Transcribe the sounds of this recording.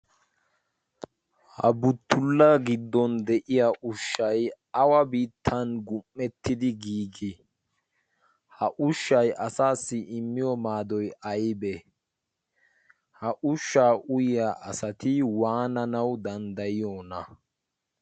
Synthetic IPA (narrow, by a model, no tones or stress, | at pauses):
hɐ̰bʊt̪ːʊlːɐɡɪd̪ːɔnd̪ɛʔɪjaʔʊʃːɐj | ɐwɐbiːt̪ʰːɐnɡʊmːɛt̪ːɪd̪ɪɡiːɡɪ | hɐʔʊʃːɐjʔɐsaːsːɪʔɪmːɪjɔmaːd̪ɔjɐjbɛ | hɐʔʊʃːaːʔʊjɪjaʔɐsɐt̪ɪwaːnɐnɐwd̪ɐnd̪ɐjɪjoːnɐ